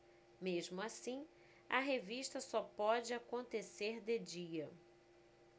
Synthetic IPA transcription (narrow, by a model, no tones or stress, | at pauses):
meʒmʊasĩ | ɐɦeviʃt̪ɐsɔpɔd͡ʒɪakõnt̪eseɾd̪ed͡ʒiɐ